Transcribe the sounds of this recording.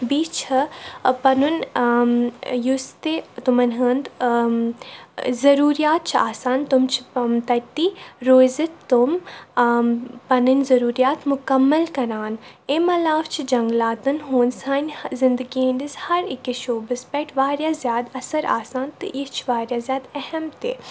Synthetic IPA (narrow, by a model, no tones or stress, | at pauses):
biːt͡ʃʰɐpɐnun | just̪et̪ʊmɐnɦəːnd̪ | zɐɾuːɾijaːt̪̚t͡ʃʰiaːsaːnt̪ʊmt͡ʃʰi̥mt̪ɐt̪iɾoːzɐt̪t̪ʊm | pɐnɨnzɐɾuːɾijaːt̪mʊkɐmːɐlkɐɾaːn | emɐlaːft͡ʃʰid͡ʒɐŋɡlaːt̪ɨnɦoːnsaːnʲzɪnd̪əɡiɐ̃ɳɖishɐɾɪkeʃoːbɨspɛʈʰʋaːɾjaːzjaːd̪ɐsɐɾa̰ːsaːnt̪ɨist͡ʃʰʋaːɾjaːzʲjaːd̪ɛhɐmt̪ḛː